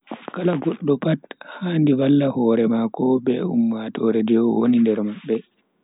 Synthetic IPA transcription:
kalaɡɔɗːɔpathandiwalːahɔːɾɛmakɔbɛumːatɔɾɛd͡ʒɛwɔwonindɛɾmaɓːɛ

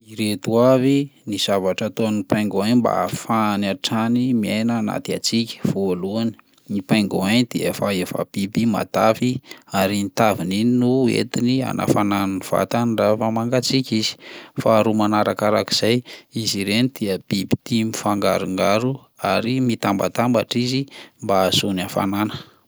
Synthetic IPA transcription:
iɾet̪uaviniz̥avaʈ͡ʂat̪onipajŋɡoaɲmba̰fanaʈ͡ʂanimienaːna̰t̪ia̰t͡sikʲə̥v̥oluani̥ | nipajŋɡoaɲd̪̥iə̰faefa̰b̥ibima̰t̪afiaɾinit̪avinininuḛt̪inia̰nʔa̰fanananiv̥a̰t̪anirafamaŋɡat͡sikʲizi̥faːɾumanaɾakaɾaki̥z̥ajiziɾenid̪̥iəb̥ibi̥t̪imifaŋɡa̰ɾuŋɡaɾu | aɾimit̪amba̰t̪ambaʈ͡ʂizimbasunafa̰nanə̥

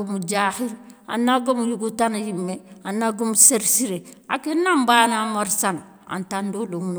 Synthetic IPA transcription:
omud͡ʒahiɾa̰nːaɡomujuɡutanajimːeanːaɡumuseɾsiɾea̰kenːambanamoɾsan | a̰ntandoloŋn

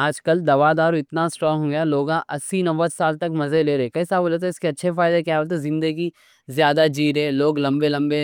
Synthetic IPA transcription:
aːd͡ʒkəld̪ɐʋad̪aːɾoɪt̪nasʈɾɔːɦõɡɐjaloːɡãʔɐsːinɐʋət̪saːlt̪ɐkmɐzeleːɾɐekɐisaːbolet̪̬eɪskeɐtːʃʰefaːɪd̪ekjaːəlt̪̬ezɪ̃nd̪əɡi | zjaːd̪ad͡ʒiːɾɦɛ̃ːloːɡlɐ̃mbelɐ̃mbe

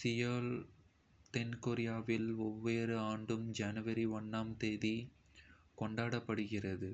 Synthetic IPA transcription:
sɪjɐl | t̪ɛnkoɾɪjaːʋɪlɔʋːeːɾɯaːɳɖɯmd͡ʒɐnɯʋɐɾiɔnːaːmt̪eːði | kɔɳɖaːɽɐpːɐɽɯɣɪrɐðɯ

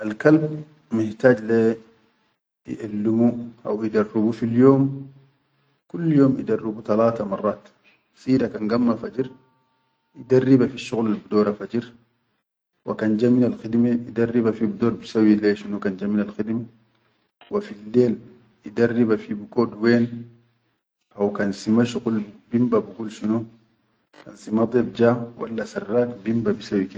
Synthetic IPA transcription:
ʔalkalb | mɪħt̪aːd͡ʒle | jḭʔalːimuʔa̰wjid̪arːubufiljoːm | kulːjoːmʔḭd̪arːibut̪alaːt̪amɑrˤːɑːt̪ | siːɾakanɡamːafad͡ʒiɾ | ʔid̪arːibafiʃːuɣlalbud̪oːɾafad͡ʒiɾ | wa̰kand͡ʒaminalxid̪meid̪arːibafibud̪oːɾbisawileːʃinukand͡ʒaminalxidm | wafilːeːl | id̪arːibafibikoːdweːn | awkansimaʃuɣulbimbabuɡulʃinu | kansimad̪ˤeb̚d͡ʒaːwɐ̰lːasarːaːkbimbabisawiki

